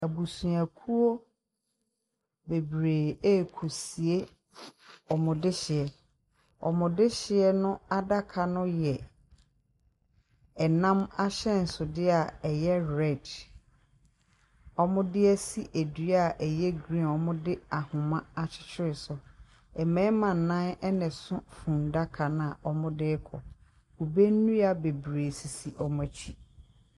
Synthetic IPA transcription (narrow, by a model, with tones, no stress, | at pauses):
æ˨bu˨sũ˨æ˨kʰu˦o˦ | be˨bɾeː˨eː˦˨kʰo˨si˨e˦ | ɔ˨mʊ̃˨dɪ˦ɕɪ˨ɛ˨ | ɔ̰˨mʊ̃˨dɪ˦ɕɪ˨ɛ˦nʊ̃˦a˦da˦kʰa˨nʊ̃˦jɛ˨ | ɛ˨nã˦ma˦ɕɛ˦n̩˨sʊ˨dɪ˦a˨ɛ˨jɛ˦ɾɛ˦˨d | ɔ˦mʊ̃˦dɪ˦ɛ˦si˦ʔæ˨du˨˦a˨ʔɛ˨jɛ˦ɡɾĩ˦˨ɔ˨mʊ̃˦dɪ˦a˨hʊ̃˨mã˦a˨t͡ɕʰɪ̥˦t͡ɕʰɪ˦ɾɪ˨sʊ˨ | ɛ˨mɛ̃˦mã˨n̩˨nã˦nɛ˦nɪ̃˨sʊ̃˦fũ˨n˨da˦kʰa˨nã˦˨a˨ʔɔ˦mʊ̃˦dɪː˦kʰɔ̰˨ | ku˨be˦n̩˦nũ˦a˨be˨bɾe˨si˨si˨ʔɔ˦mʊ̃˦æ˨t͡ɕʰi˦